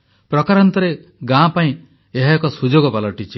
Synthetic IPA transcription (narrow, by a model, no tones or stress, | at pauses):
pɾɔkaɾɔnt̪ɔɾe | ɡãpaĩ | eɦakɔsud͡ʒoɡɔbalɔʈit͡ʃʰi